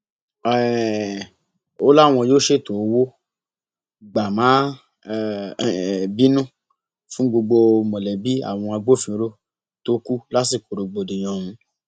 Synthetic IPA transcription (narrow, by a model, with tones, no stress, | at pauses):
ɛ˨ | o˦la˦˨w̃ɔ̃˧joː˦ʃe˦˨to˨˧wo˦ | ɡ͡ba˨mã˨˦˨ | bi˦nũ˦˨ | fũ˦ɡ͡bo˧ɡ͡bo˧mɔ̃˨lɛ˨bi˦a̰˦˨w̃ɔ̃˧a˧ɡ͡bo˦fĩ˧˦ɾo˦ | to˦ku˦la˦si˦˨ko˨ɾo˧ɡ͡bo˨dĩ˨j̃ɔ̃˧ũ˧